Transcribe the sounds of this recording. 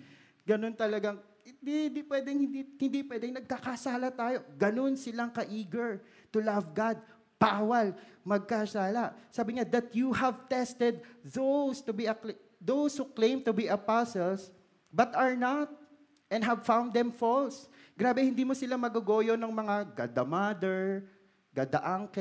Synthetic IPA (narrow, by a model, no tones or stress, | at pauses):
ɡɐnont̪ɐlɐɡaŋ | ɪd̪ihɪnd̪iːpwɛːd̪ɛŋhɪnd̪ihɪnd̪ipwɛd̪ɛŋnɐɡ̚kakɐsaːlɐt̪aːjo̞ɡɐno̞nsɪlaŋkɐʔiːɡɐɹ | t̪ʊlɐvɡad̪̚ | b̥aːwɐlmɐɡ̚kɐsaːlɐsaːbɪŋad̪ɐt̪̚juhɐvt̪ɛst̪ɛd̪̚ðowst̪ʊbiɐk | ðowshuklẽjmt̪ʊbiʔɐpasɔls | bɐt̪ɐɹnat̪̚ | ʔɛ̃nɦɐvfãwnd̪ɛ̃mfɔls | ɡɾaːbɛhɪnd̪iːmosɪlamɐɡɐɡoːjonɐŋmɐŋaɡa̰d̪ɐmad̪ɛɹ | ɡ̥ɐd̪ɐ̰ʔaŋkɛ